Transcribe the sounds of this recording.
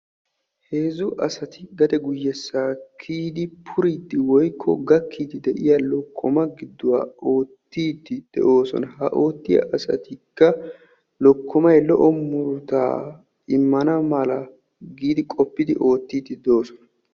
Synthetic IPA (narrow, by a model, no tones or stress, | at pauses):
he̞ːzʊʔɐsɐt̪ɪɡɐd̪ɛɡʊjːɛsːaːkʰːiːd̪ɪpʰʊɾit̪ːɪwɔjkʰːɔ̰ɡɐkːiːt̪ɪd̪ɛʔɪjɐlɔkʰːɔmɐɡɪd̪ːʊwa̰ːʔo̞ːt̪ːiːt̪ːɪd̪̥ɛ̰ʔo̞ːsɔ̰nɐhɐ̰ʔo̞ːt̪ːɪjɐ̰ʔɐsɐ̰t̪ɪkːɐ | lɔkːɔmɐjlɔ̰ʔɔmːʊɾt̪a̰ː | ɪmːɐnɐmɐlɐ | ɡiːd̪ɪkʼɔpːɪd̪ɪʔo̞ːt̪ːiːt̪ːɪd̪ɛo̞ːsɔnɐ